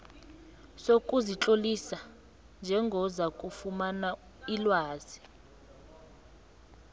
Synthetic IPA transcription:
sokʼuzit͡ɬʼolisa | nd͡ʒʱɛŋɡʱɔzakʼufumana | ilwaːz̥i

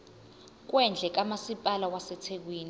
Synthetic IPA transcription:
k̬wɛnd͡ɮʱɛk̬amasipʼalawasɛtʰek̬wiːni

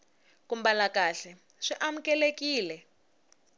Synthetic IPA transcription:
kumbalakaɬɛ | ʂiʔamukɛlekiːlɛ

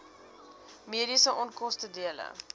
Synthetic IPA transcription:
miəɾisəʔɔnkɔstədiələ̰

